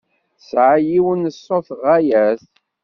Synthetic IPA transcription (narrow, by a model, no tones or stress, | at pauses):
sʕajiwənəsːoθʁæjæθ